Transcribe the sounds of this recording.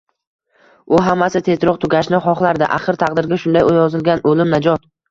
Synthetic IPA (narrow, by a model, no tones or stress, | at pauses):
ʊɦamːasɪt̪ʰe̞zɾɒqt̪ʰʊɡʲaʃnɪχɒχlˠaɾd̪ɪ̰ʔaχɨɾt̪ʰaqd̪ɪɾɡʲaʃʊnd̪ajojɒzɪlɡʲanʔolɪmnad͡ʒɒt̪